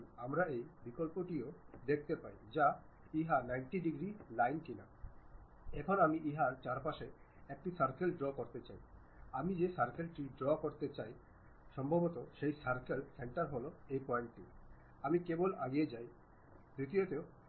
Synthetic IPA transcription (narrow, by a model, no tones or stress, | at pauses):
amɾaejbikolpoʈiod̪ek̚ʰt̪epajd͡ʑa | iɦaɾnajɳʈiɖiɡɾilajnkina | ekʰɔɾamiʔiɦaɾt͡ɕaɾpaʃe | ek̚ʈisaɾkelɖɾɔkoɾt̪et͡ɕaj | amid͡ʑesaɾkelʈiɖɾɔkoɾt̪et͡ɕaj | ʃɔmbʱobot̪oʃejsaɾkelseɳʈaɾɦoloejpɔeɳʈʈi | amikebolaɡied͡ʑaj | d̪ut̪iot̪eo